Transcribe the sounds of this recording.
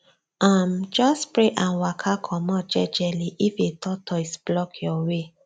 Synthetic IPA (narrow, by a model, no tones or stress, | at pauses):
ãmd͡ʒɔspɹeʔãnwakʰakʰɔmɔ̃d͡ʒɛd͡ʒɛliʔifetʰɔtʰɔisblɔkʰjɔwe